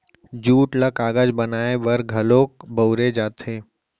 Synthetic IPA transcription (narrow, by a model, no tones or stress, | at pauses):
d͡ʒuːʈləkaːɡəd͡ʒbənaːebəɾɡʱəloːkbəʊɾed͡ʒaːt̪ʰeː